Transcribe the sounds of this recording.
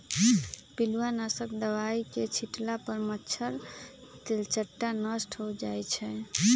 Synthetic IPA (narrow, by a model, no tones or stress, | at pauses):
piluanasəkd̪əʋaiket͡ʃʰiʈlapəɾmətːt͡ʃʰəɾt̪elt͡ʃəʈːanəsʈʰɦod͡ʒajt͡ʃʰɛ